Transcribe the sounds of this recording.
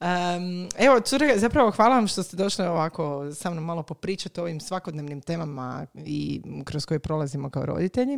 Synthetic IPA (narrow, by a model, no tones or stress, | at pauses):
əeʋo̞t̪suɾeɡazapɾaʋo̞xʋaːlˠaʋamʃt̪o̞st̪ed̪o̞ʃlioʋako̞saːmnomːalo̞po̞pɾiːt͡ʃat̪o̞ʋimsʋako̞d̪neʋnimt̪e̞ːmama̰ḭkɾosko̞jepɾo̞lˠazimo̞kao̰ɾo̞̰d̪it̪eʎi